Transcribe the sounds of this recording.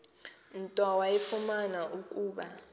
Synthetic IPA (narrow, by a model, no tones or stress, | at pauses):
n̩tʼawajɛfumanaʔukʼuːɓa